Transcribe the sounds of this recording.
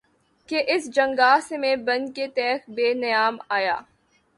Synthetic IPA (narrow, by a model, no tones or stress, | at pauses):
keʔɪsd͡ʒɐ̃ŋɡaːsemẽbɐ̃nket̪ɛːxbeːnɐjaːmaːja̰ː